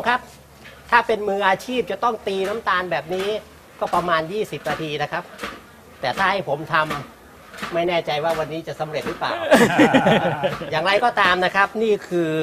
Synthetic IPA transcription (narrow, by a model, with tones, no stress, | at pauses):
kʰa˦˥p̚ | t̪ʰaː˥˩pe˧nmɯː˧ʔaː˧t͡ɕʰiː˥˩p̚t͡ɕa˨˩t̪ɔ˥˩ŋt̪iː˧na˦˥mt̪aː˧nbɛː˨˩p̚niː˦˥ | kɔː˥˩pɾa˧maː˧njiː˥˩si˨˩p̚naː˧t̪ʰiː˧na˦˥kʰa˦˥p̚ | t̪ɛː˨˩t̪ʰaː˥˩ha˥˩jpʰo˩˦mt̪ʰa˧mː | a˥˩jnɛː˥˩t͡ɕa˧jwaː˥˩wa˧nːiː˦˥t͡ɕa˨˩ʔsa˩˦mɾe˨˩t̪̚ɾɯ˦˥pla̰ː˨˩w | jaː˨˩ŋɾa˧jkɔː˥˩t̪aː˧mna˦˥kʰa˦˥p̚niː˥˩kʰɯː˧